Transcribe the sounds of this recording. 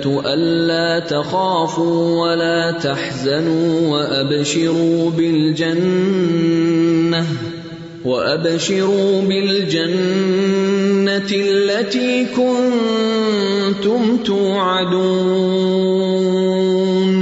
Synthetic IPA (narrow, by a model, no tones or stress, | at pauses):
t̪ʔanːaːt̪axaːfuːwalaːt̪aħzanuːwaʔabʃɪɾuːbɪld͡ʒan | a | waʔabʃɪɾuːbɪld͡ʒan | alːat̪iːkʊnn | t̪ʊmt̪uːʕad̪uː | n